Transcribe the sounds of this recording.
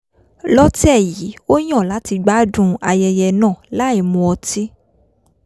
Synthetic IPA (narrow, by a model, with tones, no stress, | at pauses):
lɔ˦ti˦ɛ˦˨ji˨˦o˦j̃ɔ̃˦˨la˨˦ti˧ɡ͡ba˦dũ˧a˧jɛ˧jɛ˧nãː˦˨la˦i˨mũ˧ɔ˧ti˦